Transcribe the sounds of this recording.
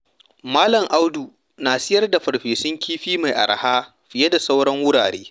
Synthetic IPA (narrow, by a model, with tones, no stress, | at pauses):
maː˦lɐ˨ŋʔa˦wduː˨ | naː˨sɪ˦jɐ˦rda˨ɸɐ˨ɽɸeː˨sɪ˦ŋkʲʰiː˦ɸiː˦ma˨jʔa̰˨ɾa̰˨haː˦ | ɸɪ˨je˦da˨sa˦wɽɐ˦ŋwʊ˦ɽaː˨ɽeː˦